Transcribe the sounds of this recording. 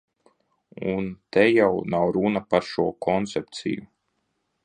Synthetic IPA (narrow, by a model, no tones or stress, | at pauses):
unt̪ɛjawnawɾunapaɾʃuɔkʰɔnt̪sɛp̚t̪sḭju